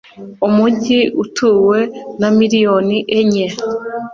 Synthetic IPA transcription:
umuɟiʔutʰuːwe̞namiɾijoniʔeɲe

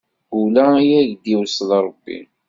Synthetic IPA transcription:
ɡulæjæʝd̪iwslɾˤəbːḭn

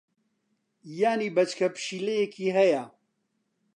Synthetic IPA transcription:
jaːniːbɐt͡ʃkʰɐpɨ̥ʃiːlejekʰiːɦɛjɐ

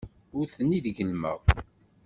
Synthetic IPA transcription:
ʊɾθənːiðɡəlmə̰ʁ

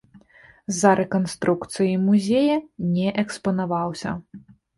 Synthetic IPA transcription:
zɐɾʔɛkɔnst̪ɾukt̪sɨjimuzʲejɐnʲɛʔɛkspɐnavawsʲɐ̰

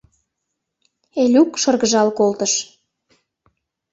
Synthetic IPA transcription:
elʲukʃɤrɣəʒɑlkolt̪əʃ

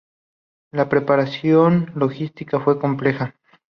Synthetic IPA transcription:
lapɾe̞paɾasjonlo̞xist̪ikafwe̞ko̞mple̞xa

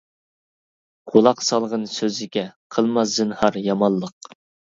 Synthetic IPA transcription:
ʁ̥olˠɑqsɑlˠʁənsøzɪkʲɛqʰəlˠmɑzd̪ɨnhɑɾjɑmɑlˠːəq

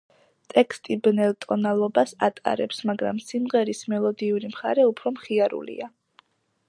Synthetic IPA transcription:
t̪ʼɛkʰst̪ʼibnɛlt̪ʼɔnalˠɔbasat̪ʼa̰ɾɛpsmaɡɾa̰msimʁɛɾismɛlˠɔd̪iuɾimχaɾɛupʰɾɔmχiaɾṵlḭa

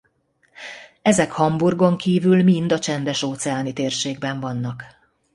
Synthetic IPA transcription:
ɛzɛkhɒmburɡo̞ŋkiːvylmind̪ɒt͡ʃɛnd̪ɛʃoːt̪sɛaːnit̪eːrʃeːɡ̚bɛɱvɒnːɒk

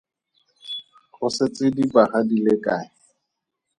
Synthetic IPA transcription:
χʊset͡sɪdibaχadilɪkʼaːɪ

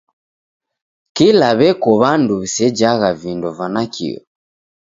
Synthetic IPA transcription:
kilaβɛkɔβanduβisɛd͡ʒaɣavindɔvanakḭjɔ̰

